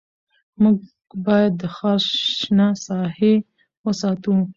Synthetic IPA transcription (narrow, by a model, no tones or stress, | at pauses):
muɡ̚ | bɑjad̪ːəxɑsnasɑhe | wəsɑt̪u